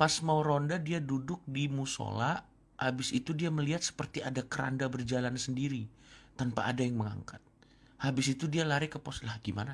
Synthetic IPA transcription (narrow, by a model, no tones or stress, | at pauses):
pasmawɾondadiadudʊk̚dimuso̰la | abɪsit̪udiaməliɦat̪̚sə̥pərt̪iadakəɾa̰ndabərd͡ʒalansəndiɾi | t̪anpa̰ʔːdajaŋməŋa̰ŋkat̪̚ | habɪs̬it̪udialaɾɪkəposlɦakimana